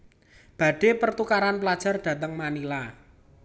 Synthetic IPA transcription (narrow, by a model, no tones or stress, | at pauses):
b̥a̤ɖ̥e̤pərt̪ukaɾanplad̥ʒ̥a̤rɖ̥ä̤t̪əŋmanila